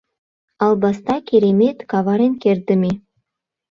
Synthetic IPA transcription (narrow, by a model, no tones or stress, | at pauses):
ɑlˠbɑst̪ɑkʲeɾemet̪kɑvɑɾenkʲeɾd̪ɘ̆me